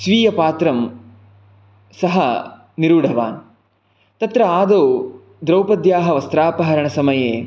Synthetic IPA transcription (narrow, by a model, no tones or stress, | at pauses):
sʋiːjɐpaːt̪ɾɐm | sɐɦɐ | niɾuːɖʱɐʋa̰ːn | t̪ɐt̪ɾɐaːd̪oː | d̪ɾɐwpɐd̪jaːɦɐʋɐst̪ɾaːpɐɦɐɾɐɳɐsɐmɐjeː